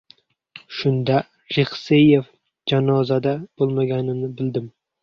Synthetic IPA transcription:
ʃʊnd̪a | ɾeχsejef | d͡ʒanɒzad̪ab̥olˠmaɡʲanɪnɪbɪld̪ɪm

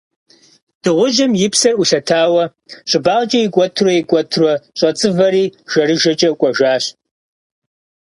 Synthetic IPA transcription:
d̥ɨʁʷʊʒɐmjɪpʰsɐruɬɐtʰaːwɐ | ɕʷʼɪbaːʁt͡ʃʼɐjɪkʷʼɔtʰrojikʷʼɔtʰrɔɕʷʼɐt͡sʼɨvɐriːʒ̥ɐɾɨʒɐt͡ʃʼɐkʷʼɔʒaːɕ

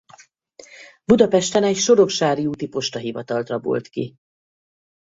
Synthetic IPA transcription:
bud̪ɒpɛʃt̪ɛnɛcʃo̞ɾo̞kʃaːɾiuːt̪ipo̞ʃt̪ɒɦivɒt̪ɒlt̪rɒbo̞̰lt̪kḭ

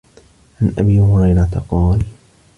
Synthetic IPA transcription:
ʕanʔabiːhʊɾɑjɾˤɑt̪aqɑːl

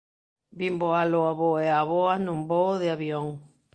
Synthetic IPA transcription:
bimboaloaβoeaβoanumboðeaβioŋ

